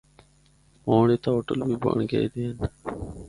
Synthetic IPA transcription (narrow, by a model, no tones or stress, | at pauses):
moːɳeːt̪aːɦoːʈəlbiːba̰ːɳɡa̰ːiːd̪eːən